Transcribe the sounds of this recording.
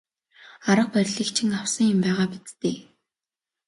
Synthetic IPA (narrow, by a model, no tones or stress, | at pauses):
aɾə̆q̚pærʲɮiːkt͡ɕʰɪ̆ŋawsə̆ŋjʊmpæːʁaːpit͡st̪eː